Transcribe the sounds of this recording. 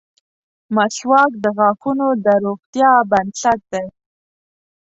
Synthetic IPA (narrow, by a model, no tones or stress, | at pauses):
maɬwɑk̚d̪əɣɑxunod̪əɾoɣt̪jɑband̪ɬat̪̚d̪e